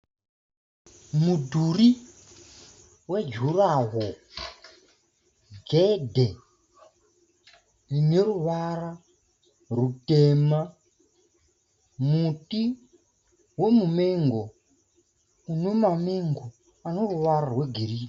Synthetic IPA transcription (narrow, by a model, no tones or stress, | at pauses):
mudʱuri | wed͡ʒʱuraɦo | ɡʱedʱe | ineɾuʋara | rutema | muti | wemumeŋɡo | unomameŋɡo | anoruʋaɾarweɡʱeɾiːti